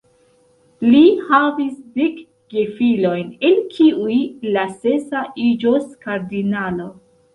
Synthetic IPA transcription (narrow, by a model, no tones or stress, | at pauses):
lihavisdek | ɡ̥efilo̞jne̞lkʰiujlase̞saʔid͡ʒoskaɾdinalo̞